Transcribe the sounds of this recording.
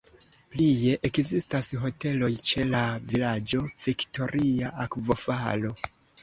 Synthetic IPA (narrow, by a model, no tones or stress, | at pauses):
plije̞ʔekzistasɦo̞te̞lo̞jt͡ʃe̞lavilad͡ʒo̞v̥ikto̞ɾʔiaʔakvo̞falo̞